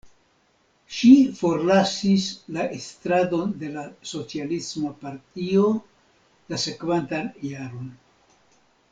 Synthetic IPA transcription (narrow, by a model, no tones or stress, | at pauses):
ʃifo̞ɾlasislaʔestɾado̞nde̞laso̞t͡sialismapaɾtio̞ | lase̞kvantanjaɾo̞n